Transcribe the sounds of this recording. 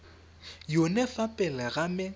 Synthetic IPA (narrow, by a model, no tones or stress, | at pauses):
jʊnɛfapʼɛlɛɣamɛ